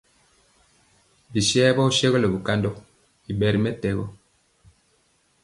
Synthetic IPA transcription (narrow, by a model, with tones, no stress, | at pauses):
bi˨ʃɛ˦bɔ˦u˦ʃe˦ɣɔ˦lɛ˨bu˨ka˦ndɔ˦ | i˨bɛ˨ɾi˨˦mɛ˦tɛ˨ɣɔ˦